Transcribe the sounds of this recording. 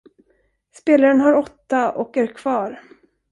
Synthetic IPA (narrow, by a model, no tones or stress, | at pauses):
speːlaɾənɦaɾɔt̪ːaʔɔkæɾkʰv̥ɑːɾ